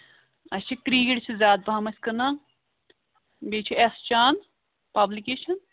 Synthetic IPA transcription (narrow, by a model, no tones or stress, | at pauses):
ɐsʲt͡ʃʰikɾiːɡiʈt͡ʃʰizʲaːd̪̚pamɐsʲkɐna | beːt͡ʃʰiest͡ʃaːn | pɐblikeːʃɐn